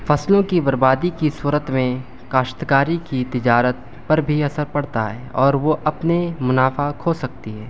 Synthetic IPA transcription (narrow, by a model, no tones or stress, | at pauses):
fɐslõkibɐɾbaːd̪ikisuːɾət̪mẽ | kaːʃt̪kaːɾikit̪ɪd͡ʒaːɾət̪̚ | pɐɾbʱiɐsəɾpɐɽt̪aɦɛːɔːɾʋoʔɐpnemʊnaːfakʰoːsɐk̚t̪iɦɛː